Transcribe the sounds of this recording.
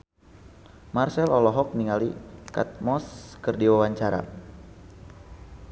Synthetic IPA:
marsɛlɔlɔɦɔk̚niŋalika̰t̪̚mɔskərdiwawaɲt͡ʃaɾa̰

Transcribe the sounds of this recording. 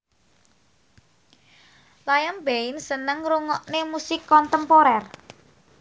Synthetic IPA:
lajambensənəŋɾuŋɔʔnemusɪkːɔnt̪əmpoɾɛr

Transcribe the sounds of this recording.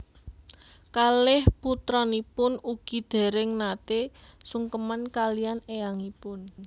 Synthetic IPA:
kalɪhput̪ɾɔnipʊnuɡ̥i̤d̪̥e̤ɾɪŋnat̪esuŋkəmankalijanejaŋipʊn

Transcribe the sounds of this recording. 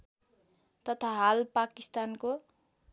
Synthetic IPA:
t̪ʌt̪ʰaɦalpakist̪anko

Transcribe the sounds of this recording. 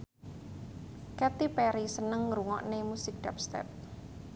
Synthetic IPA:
kɛt̪ipɛɾisənəŋɾuŋɔ̰ʔnemusɪk̚ɖ̥ɛp̚st̪ɛ̰p̚

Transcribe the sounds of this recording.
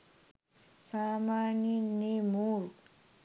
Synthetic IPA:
samaninimuɾ

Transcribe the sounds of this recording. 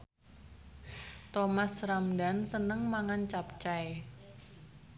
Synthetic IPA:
t̪omasramda̤nsənəŋmaŋant͡ʃap̚t͡ʃae

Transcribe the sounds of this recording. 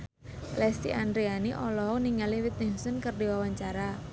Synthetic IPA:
lɛst̪ḭʔandɾianiʔɔlɔɦɔniŋaliwit̪̚nɪŋsɔnkərdiwawaɲt͡ʃaɾa

